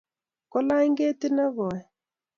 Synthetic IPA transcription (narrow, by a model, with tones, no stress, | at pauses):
kɔ˦la˦i˦ŋɡe˦tɪ˦na˦βɔ˨ɛ˨